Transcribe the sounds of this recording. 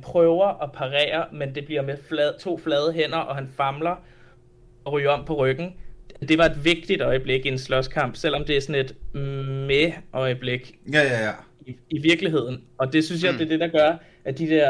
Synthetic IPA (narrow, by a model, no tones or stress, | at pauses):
pʰʁœʊɐʔɒ̽pʰɑ̈ʁɛ̰ːɐmend̥e̝b̥liɐmeflɛt͡sʰo̝̰ːflɛːð̞ˠəɦen̰ɐʔɒ̽ɦænfɑ̈mlɐ | ɒ̽ʁy̰ːɐɒ̽m̰pʰɒ̽ʁœɡ̥n̩d̥e̝ʋɑ̈e̝d̥ʋe̝ɡ̥̚d̥id̥ɒ̽ɪəb̥le̝ɡ̥ienslɒskʰɑ̈m̰b̥sel̰ɒ̽md̥e̝æɐsɒ̽ne̝d̥meʔɒ̽ɪəb̥le̝ɡ̥ | iʋiɐɡ̥liɦe̝ð̞̰ˠn̩ɒ̽d̥e̝syns̬jɑ̈ɪd̥e̝ɐd̥e̝ɾ̥ɑ̈ɡ̥ɶɐ | ʔæd̥id̥ɛɐ̰